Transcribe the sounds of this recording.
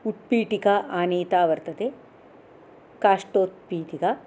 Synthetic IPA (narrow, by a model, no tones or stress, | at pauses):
uʈ̚piːʈikaʔaːneːt̪aːʋɐɾt̪ɐd̪e | kaːʂʈoːt̪̚piːʈ̪ika